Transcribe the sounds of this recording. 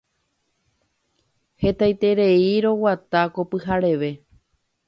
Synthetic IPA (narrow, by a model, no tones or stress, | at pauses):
he̞t̪ajt̪e̞ɾe̞iɾo̞wat̪ako̞pɨɦaɾe̞ʋe̞